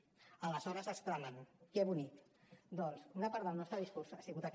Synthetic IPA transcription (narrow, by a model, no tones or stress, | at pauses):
ələzɔɾəzəst̪ɾalankɛβunikd̪ɔnsunapaɾðəlˠnɔst̪ɾəðiskuɾsasiɣut̪ak